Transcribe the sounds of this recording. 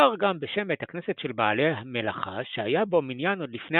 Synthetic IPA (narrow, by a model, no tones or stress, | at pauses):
aʁɡambeʃe̞methakne̞setʃe̞lbaːle̞ɦame̞la̰χa̰ʃeajabo̞minjanod̪lifne